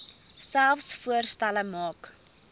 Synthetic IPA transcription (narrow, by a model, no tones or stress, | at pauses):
sælˠfsfuərstæləmɑːk